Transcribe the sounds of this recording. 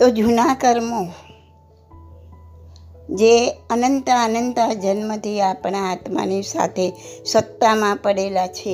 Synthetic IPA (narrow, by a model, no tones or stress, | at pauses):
t̪od͡ʒunakəɾmo | d͡ʒeənənt̪əənənt̪ad͡ʒənmət̪ʰiapɳaat̪ma̰nisa̰t̪ʰesət̪ːamãpəɽelat͡ʃʰe